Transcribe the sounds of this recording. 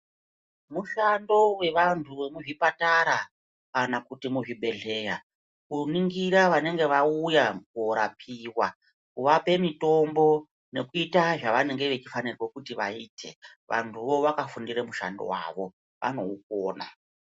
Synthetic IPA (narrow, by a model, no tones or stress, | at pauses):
muʃando̞we̞ʋantʰuʋe̞muʐipataɾa | kanakutimuʐiɓe̞ɮe̞ːja | kuniŋɡiɾaʋane̞ŋɡe̞ʋaujaɡoɾapʰiːwa | kuʋape̞mito̞mbo̞ | ne̞kuitaʐaʋane̞ŋɡe̞ʋe̞t͡ʃifanirwo̞kutiʋaiːtʰe̞ | ʋʔa̰ntʰuʋo̞ʋakafundiɾemuʃa̰ndo̰wa̰ːʋo̞ | ʋʔa̰no̞̰uk̚oːna̰